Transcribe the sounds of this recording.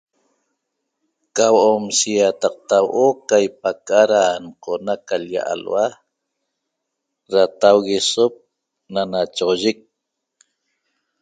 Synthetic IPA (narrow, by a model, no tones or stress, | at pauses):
kawoʔomsijat̪ɑq̚t̪awʔokajp̚akaɾanqʰonakalja̰ʔa̰lwa | ɾat̪awɣesop̚ | nanat͡ʃoʁoʒɪk̚